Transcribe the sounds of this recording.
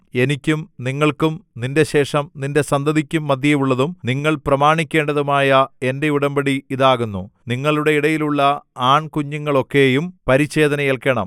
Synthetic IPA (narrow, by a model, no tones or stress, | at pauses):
e̞nikʲːumniŋːɐɭkumninde̞ɕe̞ːʂɐmninde̞sɐnd̪ɐðikʲːumːɐd̪ʱjɐʋuɭːɐðumniŋːɐɭprɐmaːɳikʲːe̞ːɳɖɐðumaːjɐe̞nde̞iɽɐmbɐɽiiðaːɣunːuniŋːɐɭuɽe̞iɽɐjiluɭːɐaːɳkuɲːuŋːɐɭo̞kːe̞ːjumpɐɾit͡ɕːe̞ːðɐnɐjelkɐɳɐ̰m